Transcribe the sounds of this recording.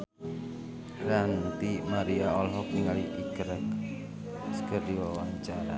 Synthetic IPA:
rant̪imaɾiaɔlɦɔkiŋaliʔikəɾək | sə̥kərdiwawaɲt͡ʃaɾa̰

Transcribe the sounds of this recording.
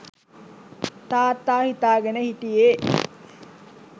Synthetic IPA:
t̪aːt̪ːaːhit̪aːɡenəhiʈijeː

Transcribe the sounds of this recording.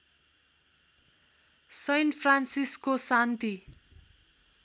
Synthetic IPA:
sʌjnpʰransiskosant̪i

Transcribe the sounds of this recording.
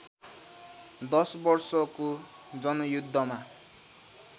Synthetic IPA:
d̪ʌsbʌrsʌko | d͡zʌnʌjud̪ʱːʌma

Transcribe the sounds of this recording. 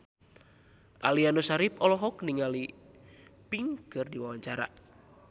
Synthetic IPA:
ʔaliandosaɾipɔlɔɦɔkniŋali | piŋkɨrdiwawaɲt͡ʃaɾa̰

